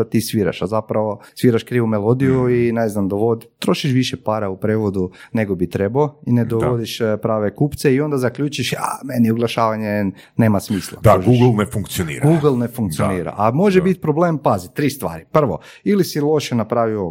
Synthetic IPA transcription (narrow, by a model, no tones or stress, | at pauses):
at̪isʋiːɾa̰ʃazapɾaʋo̞sʋiːɾaʃkɾiːʋumelˠo̞d̪ijuineznamd̪oʋod̪t̪ɾo̞ʃiʃʋiʃepaɾaupɾeːʋod̪une̞ɡobit̪ɾe̞baoined̪oʋod̪iʃpɾaːʋekuːpt̪seio̞nd̪azakʎut͡ʃiʃa̰meniuɡlˠaʃaːʋaɲe | ne̞ːmasmiːslˠa̰d̪aoɡuɡl̩ˠnefuŋkt̪sijonḭːɾaɡuːɡlˠnefuŋk̪̚sioniːɾa̰ʔamoʒebit̪̚pɾoblempazit̪ɾiːst̪ʋa̰ːɾipr̩ʋo̞̰ | ilisilˠo̞ʃenapɾaːʋio